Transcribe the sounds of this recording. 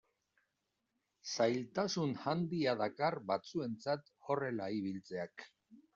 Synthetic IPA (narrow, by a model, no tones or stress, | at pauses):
sajlt̪asunhand̪iaðakarbat͡sue̞nt͡sat̪o̞re̞laiβ̞ilt͡se̞ak